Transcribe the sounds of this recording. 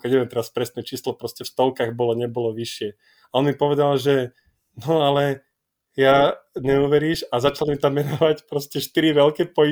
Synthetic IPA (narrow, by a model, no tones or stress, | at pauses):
kɛɛɛmt̪ɛɾaspɾɛsnɛt͡ʃiːslɔpɾɔscɛfst̪ɔlkaɣbɔlɔɲɛbɔlɔʋiʃɪɛ | aɔnmipɔʋɛd̪alʒɛ | nɔalɛ | jaɲɛuʋɛɾiːʃazat͡ʃalmit̪amːɛnɔʋacpɾɔscɛʃt̪iɾiʋɛlkɛpɔi